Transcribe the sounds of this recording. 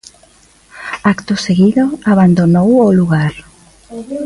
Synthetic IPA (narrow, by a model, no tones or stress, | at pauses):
akt̪ʊseɣiðoaβand̪onowoluɣ̞aɾ